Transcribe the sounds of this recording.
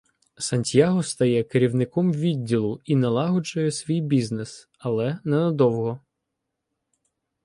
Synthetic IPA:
sɐnʲtʲjaɦɔst̪ɐjɛkeɾʲiwnɪkɔmʋʲidʲːilˠʊinɐlˠɑɦɔt͡ʃʊjɛsʲʋʲijbʲiznɛs | ɐlˠɛnɛnɐd̪ɔwɦɔ

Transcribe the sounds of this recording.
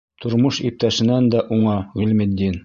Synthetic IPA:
t̪ʰŏɾmoʃip̚t̪æʃɘ̆nænd̪æʔuɴɑʁɵ̆lmɘ̆d̪ːin

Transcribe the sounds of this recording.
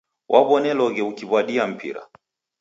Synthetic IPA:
wʔaβɔnɛlɔɣɛukiβwaɗiam̩pʰḭɾa̰

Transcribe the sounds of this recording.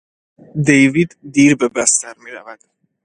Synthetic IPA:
d̪ejvid̪ːiːɾbe̞bæst̪æɾmiːɾævæd̪̥

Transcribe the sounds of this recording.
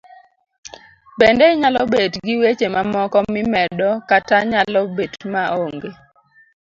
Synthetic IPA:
bɛndɛɪɲalɔbetɡɪwet͡ʃemamɔkɔmɪmɛdɔkataɲalɔbetmaoŋɡe

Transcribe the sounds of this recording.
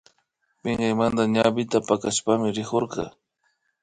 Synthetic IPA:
pɪŋɢɑjmand̪aɲabɪt̪apakaʃpamɪɾɪkoɾɢɑ̰

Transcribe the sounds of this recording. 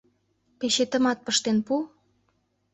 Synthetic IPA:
peʃet̪ə̆mɑt̪̚pəʃt̪enpu

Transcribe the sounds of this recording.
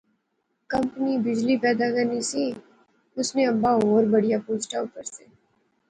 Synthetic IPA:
kɐmpnibɪd͡ʒlipɛːd̪akɐɾnisi | ʊsneɐmbaoːɾbɐɽijapoːsʈaʊpəɾseː

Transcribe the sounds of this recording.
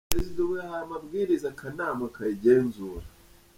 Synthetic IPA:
ezidawejahaamabɡiːɾizakʰanaːmakajiɟeːnzuːɾa

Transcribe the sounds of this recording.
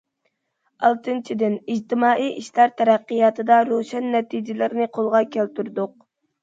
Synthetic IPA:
ɑlˠt̪ʰɨnt͡ʃʰid̪ɪnid͡ʒt̪ʰɪmɑːʔiʔiʃlæɾt̪ʰɛɾæqːijɑt̪ʰɨd̪ɑɾoʃɛnːɛt̪ʰid͡ʒɪlɪɾɪnɪqʰolˠʁɑkʲʰælt̪yɾd̪ʊq̚

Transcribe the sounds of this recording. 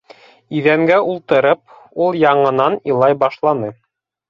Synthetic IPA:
iðæmɡæʔulˠt̪ɤ̆ɾɤp̚ | ulˠjɑɴɤ̆nɑnilˠɑjbɑʃlˠɑnɤ

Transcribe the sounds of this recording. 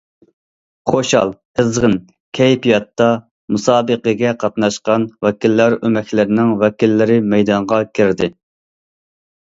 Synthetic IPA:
χoʃɑ̰lˠ | əzʁən | kʲʰɛjpijɑt̪ːɑ | musɑːbəqəɡʲɛqʰɑt̪nɑʃqɑnwɛkʲilːæɾømɛkʰʲlɪɾnɪŋwɛkʲilːɪɾɪmɛjd̪ɑɴʁɑkʲʰɪɾd̪ɪ

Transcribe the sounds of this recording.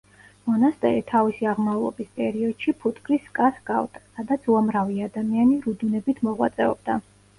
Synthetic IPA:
mɔnast̪ʼɛ̰ɾit̪ʰavisiaʁmaulˠɔ̰bispʼɛɾiɔd̪̥ʃipʰut̪ʰʼkʼɾiskʼasɡa̰vt̪ʼsad̪at̪sʰuamɾaviad̪amianiɾud̪unɛbit̪ʰmɔʁwa̰t̪sʼɛɔ̰b̚d̪a

